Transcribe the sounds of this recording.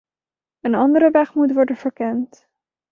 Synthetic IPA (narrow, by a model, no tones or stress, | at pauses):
ənɑndəɾəʋɛχmutʋɔɹdənv̥əɹkɛnt